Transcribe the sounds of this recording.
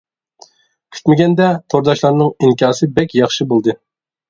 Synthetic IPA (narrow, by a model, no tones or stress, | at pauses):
kʲʰy̥t̪mɪɡʲɛnd̪ɛt̪ʰoɾd̪ɑʃlˠɑɾnɨŋiŋkʲɑːsɨbɛkʲjɑχʃɨbolˠd̪ɨ